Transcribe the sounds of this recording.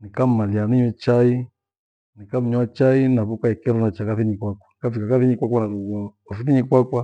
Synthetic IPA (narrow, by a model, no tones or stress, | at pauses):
nikam̩ːalianiɲɛt͡ʃai | nikam̩ɲat͡ʃainaβukaɛkɛɾɔnat͡ʃakaθiɲikwakwḁnikafikakaθiɲikwakwanaɾuɡɔɔfiθiɲikwakwa